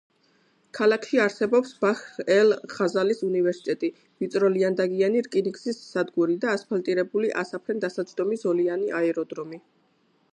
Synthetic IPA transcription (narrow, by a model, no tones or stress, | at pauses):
kʰalakʰʃiaɾsɛbɔpsbaxɛlχazalisunivɛɾsi̥t̪ʼɛt̪ʼi | vit̪sʼɾɔliand̪aɡianiɾkʼiniɡzisːad̪ɡuɾid̪aːspʰalt̪ʼiɾɛbuliʔasapʰɾɛnd̪asad̪d͡ʒd̪ɔmisɔlianiʔaɛɾɔd̪ɾɔmi